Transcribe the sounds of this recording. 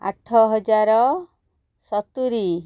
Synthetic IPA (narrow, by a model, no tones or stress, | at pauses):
a̰ʈʰːɔɦɔd͡ʒaɾɔ | sɔt̪uɾi